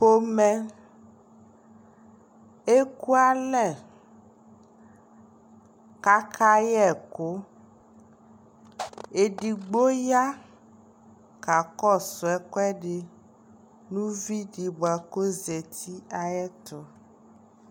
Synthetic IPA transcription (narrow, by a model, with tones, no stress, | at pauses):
po˦mɛ̃˦ | e˦ku˦a˦lɛ˨ | ka˦kʰa˦jɛ˦˨ko˦ | e˨ɖi˨ɡ͡bo˦ja˦ | ka˨kɔ˦sɔ˨ɛ˦kɔ˦ɛ˦ɖe˨ | nũ˦vi˦ɖi˨ba˨ko˦ze˨t̪ʰi˦a˨jɛ˦t̪ɔ˨